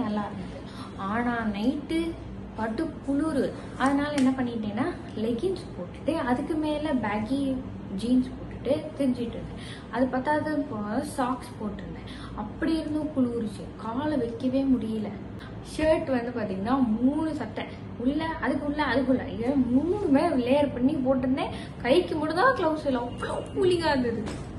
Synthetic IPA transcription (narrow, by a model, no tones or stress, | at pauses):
nɐlːãːɪɾɯnd̪ɯðɯ | aːnaːnɐɪʈːɯ | pɐɾtːɯkʊɭuːɾɯ | ɐðɐnaːlɐɛnːɐpɐɳːɪɪʈːẽːnːaː | lɛɡɪnspoːʈːɯ̥ʈːɯɐðɯkːɯmeːlɐbaːɡi | d͡ʒiːnspoːʈːɯʈːɯt̪ɛɾɪɲd͡ʒɪʈːɯɾnd̪ɛ | ɐðɐpaːt̪aːðɯsaːkspoːʈːɪɾɯnd̪ɛ | ɐpːɐɽiɪɾɯnd̪ɯkʊɭuːɾt͡ʃːɯkaːlɐʋɛkːɐʋeːmʊɽɪjɐlɐ | ʂeːʈːʋɐnd̪ɯpaːɾt̪iːŋɡɐnaːmuːɳɯsɐʈːɛ̃ | ʊɭːɐɐðɯkːɯʊɭːɐɐðɯk̬ːʊlːɐ̰ɪmuːɳɯmeːʋleːjɐɾpɐɳːipoːʈ̬ːɾɯnd̪ẽː | kɐɪkːɯmʊɽɯnd̪ãːklɐʊsɪlːɐɔpːɐɭopuːlɪɣaːɪɾɯnd̪ɐðɯkːɯ